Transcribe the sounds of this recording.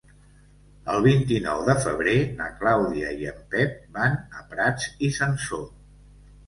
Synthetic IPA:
əlˠβint̪inɔ̰wðəfəβ̞ɾena̰klawðiəiəmpɛp̚banəpɾad͡zisənso

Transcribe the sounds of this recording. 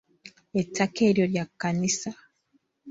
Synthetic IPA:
etːakeɾjoɾjakːanisa

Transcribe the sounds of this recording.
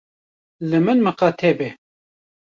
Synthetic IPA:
lɨmɨnmɨqɑt̪ʰɛbɛ

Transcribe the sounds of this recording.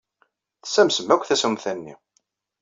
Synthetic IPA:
θə̥sæmsəmːækʷːθæsumθænːḭ

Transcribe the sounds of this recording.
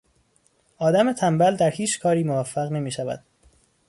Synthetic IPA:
ʔɒːd̪æme̞t̪ʰæmbæld̪æɾhiːt͡ʃʰkʰɒːɾiːmovæfːæɣne̞miːʃævæ̰d̪̥

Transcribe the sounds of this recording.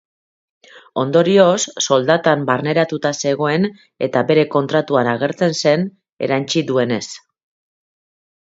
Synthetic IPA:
o̞nd̪o̞ɾio̞sːo̞ld̪at̪ambarne̞ɾat̪ut̪ase̞ɣo̞e̞n | e̞̰t̪abe̞ɾe̞ko̞nt̪ɾat̪uanaɣe̞ɾt͡se̞nse̞n | e̞̰ɾant͡ʃiðue̞ne̞s

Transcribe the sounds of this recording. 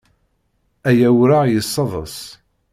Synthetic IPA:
æjæwɾajəsˤːɑðˤə̰sˤ

